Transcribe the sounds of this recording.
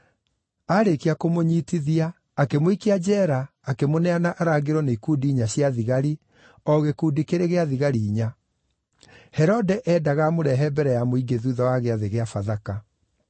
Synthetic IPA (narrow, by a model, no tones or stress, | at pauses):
aɾekiakomoɲitiðiaː | kemoikead͡ʒɛɾaː | kemonɛanaʔaɾaɡeɾɔneikuːdiːɲaɕjaðiɣaɾi | ɔɣekuːdikeɾeɣeaðiɣaɾiːɲa | hɛɾɔdɛʔɛːdaɣamoɾɛɦɛbɛɾɛjamoiɡeðuːðɔwaɣeaðeɣeafaðaka